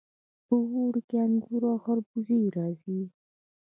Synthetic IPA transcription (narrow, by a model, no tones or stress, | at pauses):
pəwoɽkeanɡuɾɑxaɾbuzijɾɑzi